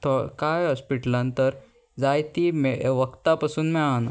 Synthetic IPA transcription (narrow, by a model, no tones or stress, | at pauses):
t̪ʰɔkajɦɔspiʈlãnt̪əɾ | d͡zajt̪imɛʋəkt̪apasuːnmɛan